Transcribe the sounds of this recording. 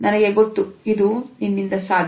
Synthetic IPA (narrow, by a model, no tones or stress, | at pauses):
nɐnɐɡeɡot̪ːuid̪uninːind̪ɐsaːd̪ʱ